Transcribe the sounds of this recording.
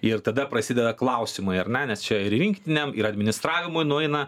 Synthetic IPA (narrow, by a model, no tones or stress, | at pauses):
ɪrt̪ɐd̪ɐpɾɐsʲid̪ʲɛd̪ɐklˠɐʊsʲɪmɐɪɐɾnʲɛnʲɛst͡ʃʲɛɪɾʋʲɪŋʲkʲt̪ʲɪnʲɛmɪɾɐd̪ʲmʲɪnʲɪst̪ɾɑːʋʲɪmʊɪnʊɛɪnɐ